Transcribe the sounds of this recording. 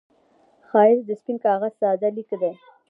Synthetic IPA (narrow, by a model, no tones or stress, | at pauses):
xɑɪɾd̪əspinkɑːɣazsɑːd̪alikd̪e